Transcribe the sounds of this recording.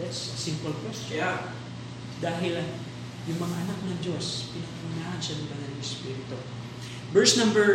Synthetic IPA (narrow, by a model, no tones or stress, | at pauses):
ɐt̪ssɪmpolkwɛst͡ʃo | d̪aːɦɪl | jʊŋmɐŋaʔɐnak̚nɐŋd͡ʒo̞spɪnɐkɐɾʊnaːʔɐnʃɐnɐŋbɐnɐlɐŋʔɛspiːɾɪt̪o | bɛɹsnɐ̃mbɛ